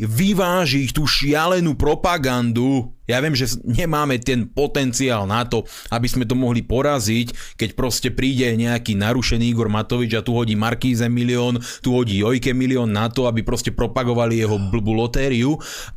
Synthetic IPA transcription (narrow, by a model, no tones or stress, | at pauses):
ʋiʋaːʒixt̪uːʃɪalɛnupɾɔpaɡand̪ujaʋɪɛmʒɛɲɛmaːmɛt̪ɛnpɔt̪ɛnt͡siaːlnat̪ɔ | abizmɛt̪̬ɔmɔɦlipɔɾazickɛcpɾɔscɛpɾiːɟɛɲɛakiːnaɾuʃɛniːiɡɔɾmat̪ɔʋid͡ʒat̪uɦɔɟiːmaɾkiːzɛmiliɔːn | t̪uɦɔɟiːjɔjkɛmiliɔnːat̪ɔabipɾɔscɛpɾɔpaɡɔʋalijɛɦɔbl̩bulɔt̪ɛːɾiu